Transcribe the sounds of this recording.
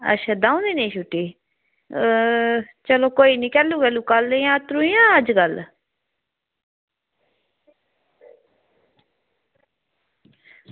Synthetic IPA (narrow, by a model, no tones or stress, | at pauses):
ə̰tːʃʰaːd̪ãːũːnd̪iːnĩːʃuʈːiː | t͡ʃəloːkoːiːnĩːkɛːluːkɛːlũːkəlːjãːt̪ɾuːijãːəd͡ʒɡəl